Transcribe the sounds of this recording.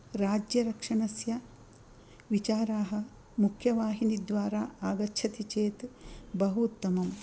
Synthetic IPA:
ɾaːd͡ʒjɐɾɐkʂɐnɐsjɐ | ʋit͡ʃaːɾaːɦɐ̆ | mukʰjɐʋaːɦinid̪ʋaːɾaːaːɡɐtːʃʰɐt̪it͡ʃeːt̪bɐɦut̪ːɐmɐm

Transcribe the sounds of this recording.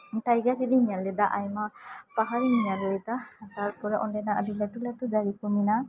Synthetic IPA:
ʈajɡaɾid̪iɲallɛd̪aʔajmapaɦaɾiɲɲallɛd̪aat̪aɾpuɾaʔɔnɖɛnaəd̪ilɛʈulat̪ud͡ʒ̪aɾikumina

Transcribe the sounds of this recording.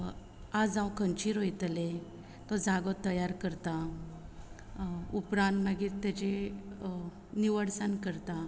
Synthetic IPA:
ad͡zãwkə̃nt͡ɕiɾɦojt̪le | t̪ɔd͡zaɡɔt̪ːəjaɾkəɾt̪a | upɾãnt̪maɡiːt̪at͡ɕe | niʋəɽsankəɾt̪a

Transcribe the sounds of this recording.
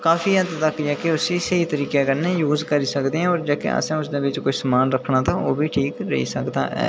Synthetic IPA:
kaːfiːət̪t̪əkːd͡ʒɛːkeʊsisəit̪əɾiːkekəɾnejuːzkəɾiːsəkd̪eːɦɛ̃ɔːɾd͡ʒaːkḛa̰sẽːʊsd̪ẽːʋɪt͡ʃkʊsəmaːnɾəkʰnaːt̪ʰaːoːbʱiːʈʰiːkɾə̰ɦḭsəkd̪a̰ːɦɛ̰ː

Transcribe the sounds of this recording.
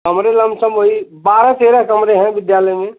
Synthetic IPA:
kɐmɾelɐ̃msəmɦoːibaːɾãseːɾəɦkɐmɾeɦɛ̃ʋɪd̪jaːləjmẽ

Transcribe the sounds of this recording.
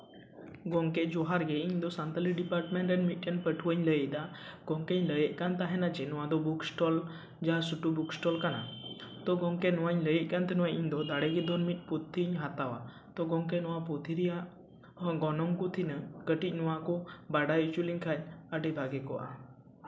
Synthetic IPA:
ɡɔŋkɛd͡ʒɔɦaɾɡɛiɲd̪ɔsant̪əliɖipaɾʈmɛɳʈɾɛnmit̪̚ˀkɛnpəʈʰuwəɲləjəc̚d̪aɡ̥ɔŋkeɲləjəʔ̚kant̪aɦɛnad͡ʒɛnɔwad̪ɔbuksʈɔl | d͡ʒaasuʈubuksʈɔlkana̰t̪ɔɡɔŋkɛnɔwaɲləjəc̚kant̪ɛnɔwaʔiɲd̪ɔd̪aɽɛɡɛd̪ɔnmit̪̚ˀput̪ʰːiɲɦat̪awa̰ | t̪ɔɡɔŋkɛnɔwapɔt̪ʰiɾijaʔ | ɡɔnɔŋkut̪ʰinəkəʈic̚ˀnɔwakɔbaɖajut͡ʃuliɲkʰaɲ̚əʈɛbʱaɡɛkɔ̰ʔa̰

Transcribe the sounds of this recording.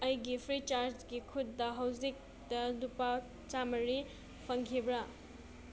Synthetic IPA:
ɐjɡipʰɾit͡ʃaɾd͡ʒɡikʰutːɐɦɐwzik̚ | d̥ɐnupa | t͡ʃamɐɾi | pʰɐŋkʰibɾɐ

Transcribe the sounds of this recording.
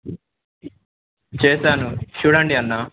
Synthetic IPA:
t͡ʃeːsaːnut͡ʃuːɽɐɳɖiɐnːa

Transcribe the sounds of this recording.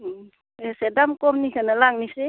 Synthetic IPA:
esedamkɔmnikʰanalaŋnise

